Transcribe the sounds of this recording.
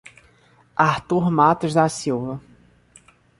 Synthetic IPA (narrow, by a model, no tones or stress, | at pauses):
aɾt̪uɾmat̪ʊʒd̪asiwvɐ